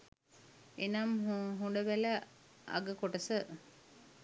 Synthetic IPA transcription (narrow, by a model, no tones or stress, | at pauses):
enamɦuɳɖəʋælə | a̰ɡəkoʈəsə